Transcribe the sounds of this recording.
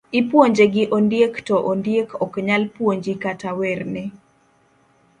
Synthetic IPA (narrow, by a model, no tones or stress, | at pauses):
ɪpwoɲd͡ʒeɡɪʔondjektɔʔondjekɔkɲalpwoɲd͡ʒikatawɛrnɛ